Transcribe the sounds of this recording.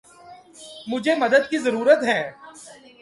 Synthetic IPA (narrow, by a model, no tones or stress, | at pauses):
mʊd͡ʒʱemɐd̪əd̪̚kizɐɾuːɾət̪ɦɛ̃ː